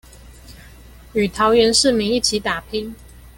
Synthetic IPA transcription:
y˨˩t̪ʰɑ˨˦ʊɥɛ˧˦nʂɻ̩˥˨mi˧˥ŋi˥˨t͡ɕʰi˨˥t̪a˨˩pʰi˥ŋ

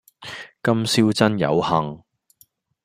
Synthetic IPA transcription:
kɐ˥msiː˥wt͡sɐ˥njɐ̰˨˧whɐ˨ŋ

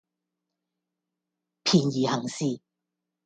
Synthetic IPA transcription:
pʰiː˨˩njiː˨˩hɐ˨˩ŋsiː˥˧

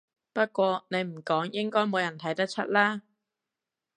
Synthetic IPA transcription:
pɐ˥t̚kʷɔː˧ne˨˧jm̩˨˩kɔː˨˥ŋjɪ˥ŋkɔː˥jmo˨˧wjɐ˨˩nt̪ʰɐ˨˥jt̪ɐ˥k̚t͡ʃʰɐ˥t̚laː˥

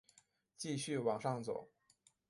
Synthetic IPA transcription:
t͡ɕi˥˧ɕy˥˩wɑ˨˩ŋʂɑ˥˩ŋt͡so˨˩˦ʊ

